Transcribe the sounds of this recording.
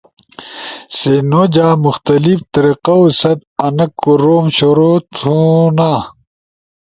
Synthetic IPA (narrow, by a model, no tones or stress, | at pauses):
senoːd͡ʑaːmuxt̪ɐlift̪ɐɾiqɐusɐd̪̚ɐnɐkːuɾoːmɕoɾot̪ʰunaː